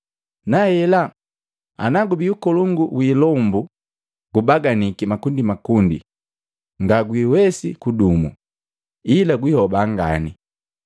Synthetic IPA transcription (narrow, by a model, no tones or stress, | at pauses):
nahɛla | a̰naɡubiukɔluŋɡuwiːlɔmbu | ɡ̥ubaɡanikimakundimakundḭ | ŋɡaɡwiːwɛsikudumṵ | ilaɡwihɔbaŋɡa̰ni